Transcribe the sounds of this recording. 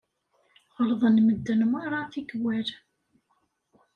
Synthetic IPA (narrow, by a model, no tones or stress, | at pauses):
ʁəlðˤənməd̪ːənməɾˤɑθiɡwæɾ